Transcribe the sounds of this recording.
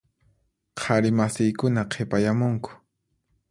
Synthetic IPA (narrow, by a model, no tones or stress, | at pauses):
qʰaɾɪmasɪjkʊnaqʰepajamʊŋkʊ̥